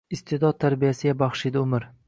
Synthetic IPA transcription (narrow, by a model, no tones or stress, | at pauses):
ɪst̪ʰɪd̪ɒt̪ʰːaɾbijasɪɡʲabɑχʃid̪ʊmɪɾ